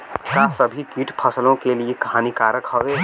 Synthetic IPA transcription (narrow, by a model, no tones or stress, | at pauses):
kasɐbʱikiːʈpʰəsəlõkeliekɐɦaːnikaːɾəkɦɔʋe